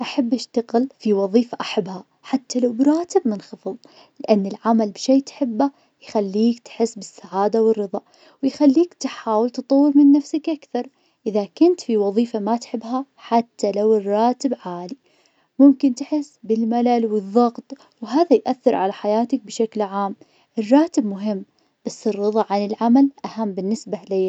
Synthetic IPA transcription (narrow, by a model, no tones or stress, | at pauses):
ʔaħabːʔaʃt̪aɣɪlfiwɑðˤiːfaʔaħabːha | ħat̪ʰːalawbɾˤɑːt̪ɪbmɪnxɨfɨðˤ | lɪʔanːɪlʕamalbʃeːt̪ħɪbːa | jxalːiːkt̪ħɪsːbɪsːaʕaːd̪awɪrːɨðˤɑʔ | wɪjxalːiːkt̪ħaːwɪlt̪ɨt̪ˤɑwːɪɾmɪnːafsakʔakθɑɾˤ | ʔɪðakʊnt̪fiwɑðˤiːfamat̪ħɪbːɦa | ħat̪ːalawɪrˤːɑːt̪ɪbʕaːli | mʊmkɪnt̪ħɪsːbɪlmalalwɪðˤːɑɣt̪ˤ | wɦaːðajʔaθːɪɾʕa̰laħajaːt̪ak̚bʃaklʕaːm | ʔɪrˤːɑːt̪ɪbmʊɦɪmː | b̥asːɪrːɨðˤɑʕanɪlʕamalʔahamːbɪnːɪsbalaː